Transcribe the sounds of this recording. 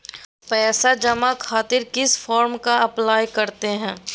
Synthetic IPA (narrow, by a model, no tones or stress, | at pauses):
pɛːsad͡ʒɐmakʰaːt̪ɪɾkɪsfɔːɾmkaɐplaːjkɐɾt̪eɦɛ̃ː